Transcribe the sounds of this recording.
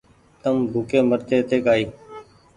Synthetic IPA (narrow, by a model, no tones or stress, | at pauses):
t̪əmbʱuːkẽːməɾt̪eːt̪eːkaːiː